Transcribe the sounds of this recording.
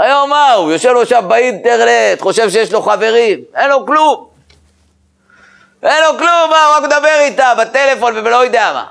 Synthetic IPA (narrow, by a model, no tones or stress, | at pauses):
ajomːaujoʃevloʃavbaidt̪eʁlet̪χo̞ʃe̞vʃejeʃloχave̞ʁimenlo̞klum | ʔenlo̞klumːauʁakmed̪abeʁit̪abat̪ele̞fo̞nvevelo̞jod̪eama̰